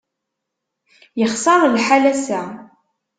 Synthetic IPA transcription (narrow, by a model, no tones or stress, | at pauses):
jəχsɑɾˤlħalæsæ